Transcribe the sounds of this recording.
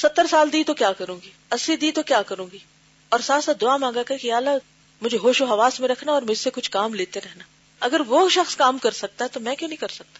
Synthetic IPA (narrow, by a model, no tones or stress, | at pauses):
sɐt̪ːəɾsaːld̪iːt̪okjaːkɐɾũːɡiːɐsid̪iːt̪okjaːkɐɾũːɡiː | ɔːɾsaːt̪saːt̪d̪ʊaːmãːɡakɐkiaːla | mʊd͡ʒʱeɦoːʃoɦɐʋaːsmẽɾɐkʰnaɔːɾmʊd͡ʒʱsekʊt͡ʃʰkaːmleːt̪eɾɛɦnaː | ɐɡəɾʋoʃɐxskaːmkɐɾsɐk̚t̪aɦɛt̪omɛ̃ːkjõnɐɦĩkɐɾsɐk̚t̪ḁ